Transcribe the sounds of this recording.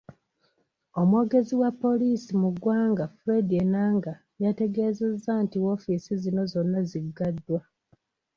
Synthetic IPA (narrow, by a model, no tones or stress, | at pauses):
o̞mwo̞ːɡe̞ziwapːo̞liːsimuɡwaːŋɡafuɾe̞dienaːŋɡa | jate̞ɡe̞ːze̞zːantiwo̞fisizino̞zo̞nːaziɡadːwa